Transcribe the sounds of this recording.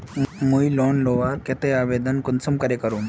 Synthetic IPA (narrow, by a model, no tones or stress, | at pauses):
mujlɔnloʋaɾket̪eaʋed̪ənkunsumkəɾekəɾuːn